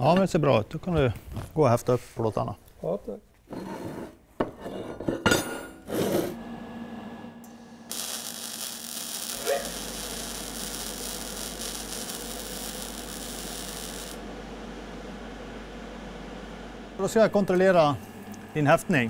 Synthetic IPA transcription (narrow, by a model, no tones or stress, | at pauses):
jɑːmɛnd̪ɛseːɾbɾɑːʉ̰ːt̪̚d̪oːkʰɑnd̪ʉɡoːhɛft̪əœpːpʰɔloːt̪ʰɑ̰nə̰ | ɾoskɑkʊnt̪ɾʊleːɾɑ | ɪnhɛft̪nɪŋ